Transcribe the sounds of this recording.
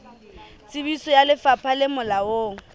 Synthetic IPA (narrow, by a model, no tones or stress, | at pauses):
t͡sʼɪbisɔjalɪfapʰalɪmʊlawoː